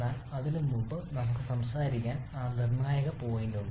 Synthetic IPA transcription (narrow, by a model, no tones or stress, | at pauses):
aːlɐðilumːumbɨnɐmukːɨsɐmsaːɾikʲːaːnaːnirɳaːjɐɣɐpo̞ːjinɖuɳːɨ